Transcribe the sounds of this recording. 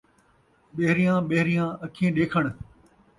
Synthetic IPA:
ɓeɦɾijãːɓeɦɾijãːəkʰiẽːɗeːkʰəɽ̃

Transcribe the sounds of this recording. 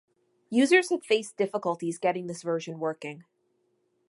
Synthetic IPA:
jʉzə˞z̥əv̥feɪsd̥ɪfəkəl̩ˠtizɡɛɾɪ̃ŋðɪsvɜ˞ʒɨ̃nwɜ˞kɪ̃ŋ

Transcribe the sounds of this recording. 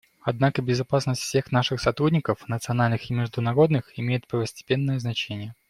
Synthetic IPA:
ɐd̪nakəbʲɪzɐpasnəsʲtʲfʲsʲe̞xnaʂɨxsɐt̪ɾudʲnʲɪkəfnət̪sɨɐnalʲnɨxɪmʲɪʐd̪ʊnɐɾo̞d̪nɨxɪmʲejɪt̪̚pɾəvəsʲtʲɪ̥pʲe̞nːəjəznɐt͡ɕenʲɪjə

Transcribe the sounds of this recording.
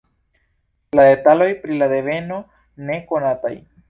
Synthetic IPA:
lad̪e̞talo̞jpɾilade̞ve̞no̞ | ne̞ko̞nata̰j

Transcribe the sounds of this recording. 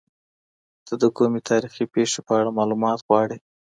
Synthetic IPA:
t̪əd̪əkomet̪ʰɑɾixipeʂepəaɽamɑlumɑt̪ɣwɑɽi

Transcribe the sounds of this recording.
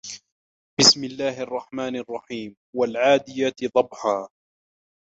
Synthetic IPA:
bɪsmɪlːaːɦʔɑrˤːɑħmaːnʔɑrˤːɑħiːm | walʕaːd̪ɪjat̪d̪ˤɑbħaː

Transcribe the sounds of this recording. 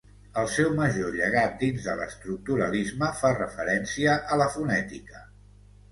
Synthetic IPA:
əlˠsɛwməʒoʎəɣ̞at̪̚d̪inzðələ̰st̪ɾuk̚t̪uɾəlizməfarəfəɾɛnsiəʔələfunɛt̪ikə

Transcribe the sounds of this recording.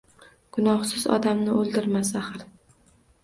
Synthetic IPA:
ɡ̥ʊnɒhsɪzɒ̰d̪amnɪolˠd̪ɪɾmasaχɪɾ

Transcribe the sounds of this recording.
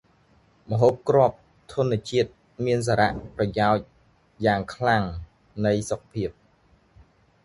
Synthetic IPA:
mə̆ɦoːp̚krŏəp̚ | t̪ʰŭənːiət͡ɕiət̪̚ | miəns̬aːɾa̰ʔprɑjaɔc̚ | jaːŋkʰlaŋ | nɨjsok̚pʰiəp̚

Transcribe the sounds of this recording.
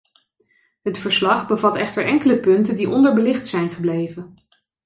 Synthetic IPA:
ɦətfəɹslɑχbəvɑtɛχtəɹʔɛŋkələpɵntəndiʔɔndəɹbəlɪχtsɛjnχəblejvən

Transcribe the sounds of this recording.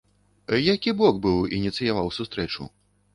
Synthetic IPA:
jakʲibɔɡbɨwinʲit̪sɨjavawsust̪ɾɛt͡ʂṵ

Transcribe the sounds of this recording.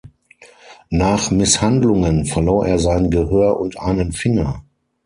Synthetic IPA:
naːχmɪshandlʊŋənfɛɐloːʔeːɐzaɪnɡəhøːɐʔʊntʔaɪnənfɪŋɐ

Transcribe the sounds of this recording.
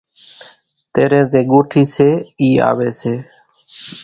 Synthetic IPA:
t̪eːɾẽːzẽːɠoːʈʰiːseːiːa̰ːʋeːseː

